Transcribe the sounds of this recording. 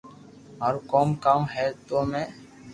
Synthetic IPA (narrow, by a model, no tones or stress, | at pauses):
ɔːɾkɔːmkãːɦɛːt̪oːmɛ̃ː